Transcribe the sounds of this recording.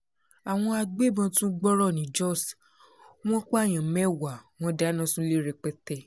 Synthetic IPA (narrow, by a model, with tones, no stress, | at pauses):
a˨w̃ɔ̃˧a˧ɡ͡be˦˨bã˧tũ˦ɡ͡bɔ˦ɾɔ˦˨nĩ˨˦d͡ʒɔ˦˨s | w̃ɔ̃˦k͡pa˦a˦˨j̃ã˨mɛ˦˨wa˨w̃ɔ̃˦da˨˦nã˦sũ˦le˦ɾɛ˧k͡pɛ˦tɛ˧˨